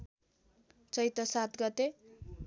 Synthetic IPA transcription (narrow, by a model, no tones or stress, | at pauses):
t͡sʌjt̪ʌsat̪ɡʌt̪e